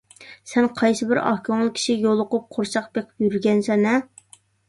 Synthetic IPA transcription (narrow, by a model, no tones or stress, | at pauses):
sɛnqʰɑjsɨbɪɾɑ̰hkʰʲɑmlˠɨkʲʰi̥ʃijolˠʊqʊp̚qʰoɾʃɑqbeqʰɪ̥pjyɾɡʲɛnsɛnɛ